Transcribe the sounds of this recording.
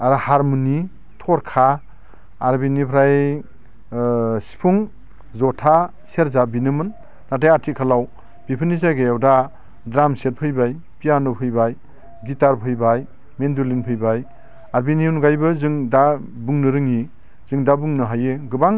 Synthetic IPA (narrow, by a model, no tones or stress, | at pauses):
aɾhaɾmuni | tʰɔɾkʰaː | ɾbinipʰɾaj | si̥pʰuŋ | zɔtʰa | seɾzabinɯmɯnː | adajatʰikʰalaw | b̥ipʰɯnizaɡejawda | dɾamset̚pʰɯjbaj | pijanɯpʰɯjbaj | ɡitaɾpʰɯjbaj | mendulinpʰɯjbaj | aɾbiniunɡajbɯzɯŋdabuŋnɯɾɯŋi | zɯŋdabuŋnɯɦajɯɡɯbaŋ